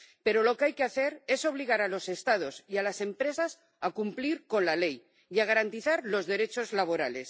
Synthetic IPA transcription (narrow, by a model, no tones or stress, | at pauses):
pe̞ɾo̞lo̞keajkeaθe̞ɾe̞so̞β̞liɣ̞aɾalo̞se̞st̪að̞o̞sialase̞mpɾe̞sas | akumpliɾko̞nlale̞j | iaɣaɾant̪iθaɾlo̞zðe̞ɾe̞t͡ʃo̞zlaβ̞o̞ɾale̞s